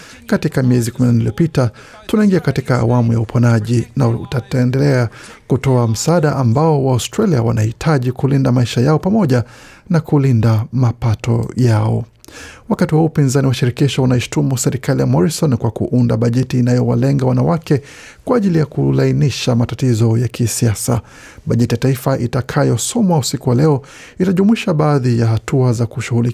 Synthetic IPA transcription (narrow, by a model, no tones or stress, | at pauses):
katikamiɛzikuminaniliɔpita | tunaiŋɡiakatika̰ːwamujaupʰɔnaʄinaṵtaɛndɛlɛa | kutɔam̩saɗaʔambaɔwaɔstɾaliawanahitʰaʄikulindamaiʃajaɔpamɔʄa | nakulindamapatɔ̰jaɔ̰ | wakatiwaupinzaniwaʃiɾɛkiʃaunaiʃtumusɛɾikalijamɔɾisɔnkwakṵʔunda̰ɓaʄɛtiːnajɔwa̰lɛŋɡawanawakɛ | kwaːʄilijakulainiʃamatatizɔjakʰisiasa̰ | ɓaʄɛtijataifaʔitakʰajɔsɔmwausikuwalɛɔ | itaʄumwiʃaɓaːðijahatuazakuʃuɣuli